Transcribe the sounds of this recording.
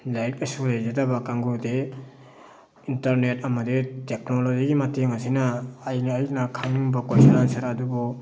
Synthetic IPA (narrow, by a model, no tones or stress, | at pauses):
lajk̚ɐsulajzadabakaŋɡude | intɐɾnet̚ɐmɐditek̚noloziɡimateŋasinɐːjnːjnakʰaŋiŋbakojsalansɐɾadubɔ